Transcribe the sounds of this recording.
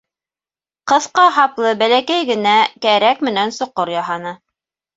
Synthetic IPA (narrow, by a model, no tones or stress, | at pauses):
qɤ̆θqɑɦɑplˠɤbælækæjɡɘ̆nækæɾækmɘ̆nænsŏqːoɾjɑɦɑnɤ